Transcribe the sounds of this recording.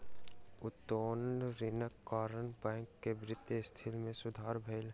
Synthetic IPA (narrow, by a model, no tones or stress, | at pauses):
ʊt̪ːoːnɾɪnəkːaːɾənbɛ̃ːŋkːebɾɪt̪jəst̪ʰɪlmẽsʊd̪ʱaːɾbʱeːl